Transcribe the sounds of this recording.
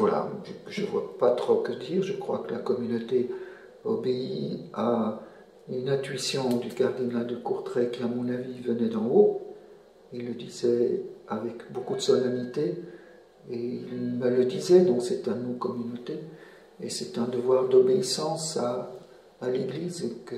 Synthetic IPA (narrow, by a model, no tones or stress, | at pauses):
vwala̰ʒəʒəvwa̰pat̪χokəd̪iːʁʒəkχwa̰kəlakɔmynot̪e | ɔbeia | ynɛ̃t̪ɥisjɔ̃d̪ykaʁd̪inald̪əkuʁt̪χɛkʲiamɔ̃navivənɛd̪ɑ̃o | ilːəd̪izɛavɛkbokud̪əsɔlanit̪e | eilmələd̪izɛd̪ɔ̃ksɛt̪ɛ̃nokɔmynot̪e | esɛt̪ɛ̃d̪əvwaʁd̪ɔbeisɑ̃saː | leɡliːzekə